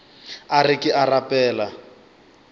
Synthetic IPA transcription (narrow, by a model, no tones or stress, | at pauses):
arikɪʔarapɛːla